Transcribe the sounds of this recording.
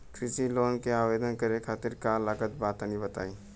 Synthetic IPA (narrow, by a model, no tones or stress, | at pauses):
kʰɾɪsiloːnkeaːweːd̪ənkəɾekʰaːt̪ɪɾkalaːkət̪̚baːt̪anĩbət̪a̰ːiː